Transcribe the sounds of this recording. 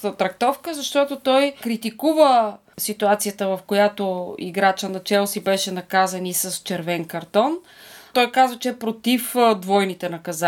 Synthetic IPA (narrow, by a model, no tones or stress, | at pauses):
ət̪ɾɐk̚t̪ɔfkəzɐʃt̪ɔt̪ot̪ɔjkɾit̪ikuvə | sit̪uat̪sijət̪əvɐfkojat̪oḭɡɾat͡ʃənɐt͡ʃɛlˠsibɛʃɛnɐkazɐnisɐst͡ʃɛɾvɛnkɐɾt̪ɔn | t̪ɔjkazvət͡ʃɛːpɾot̪ifd̪vɔjnit̪ɛnɐkɐza